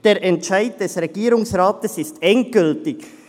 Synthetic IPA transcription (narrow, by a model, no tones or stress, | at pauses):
d̥eːɾʔɛntʃaɪd̚d̥ɛsʁeɡiːɾʊŋsʁaːtəsɪstɛnt̚ɡ̥ʏltɪk